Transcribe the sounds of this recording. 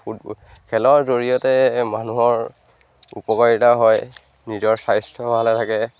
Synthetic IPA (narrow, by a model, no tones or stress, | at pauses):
u | kʰɛlɔɹzoɹijɔtɛmanuɦɔɹ | ṵpɔkɔɹitaɦɔj | nizɔɹsajstʰɔbalɛtʰakɛ